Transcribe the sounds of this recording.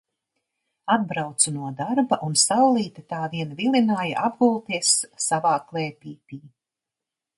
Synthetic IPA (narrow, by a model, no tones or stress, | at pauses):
ad̪̚bɾawt̪sunuɔd̪aɾbaʔunsawlˠiːt̪at̪aːviɛnvilinaːjaʔabɡulˠt̪iɛsːavaːklˠɛːpʲiːpʲiː